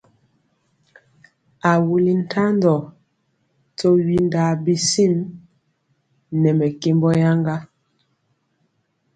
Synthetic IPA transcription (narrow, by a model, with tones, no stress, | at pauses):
a˨wu˨li˨n̩˨tʰa˦ndɔ˨ | tɔ˦ɥi˨nda˨bi˨si˦˨m | nɛ˨mɛ˨ke˦mbɔ˦ja˦ŋɡa˦